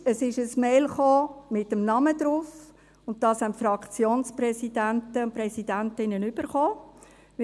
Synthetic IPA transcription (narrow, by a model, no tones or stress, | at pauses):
əsɪʃəsmeɪlχoːmɪtəmnɑməd̥ɾuf | ʊnt̚d̥ɑːshæntfɾɑkt͡sjoːnspɾɛsidæntəʊnpɾɛsidæntɪnːənyb̥əɾχoː